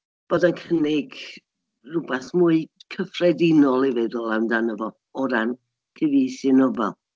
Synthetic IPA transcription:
b̥oːdankʰənɪɡ | rʊbɛθmuɨkʰəfrɛdɪnɔlˠivɛðɔlˠawndanəvɔ | ɔɾan | kʰəviːsɪnɔvɛ̰lˠ

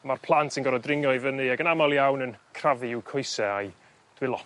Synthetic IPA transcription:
marpʰlˠantʰinɡɔɾɔdrɪŋjɔivənɨaɡənamalˠjawnənkʰravɨɪwkʰɔɨsɛaj | d̥wɪlˠɔ

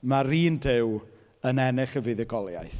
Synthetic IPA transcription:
maɾiːndɪw | ənɛnɪχəvɨðɛɡɔlˠja̰jθ

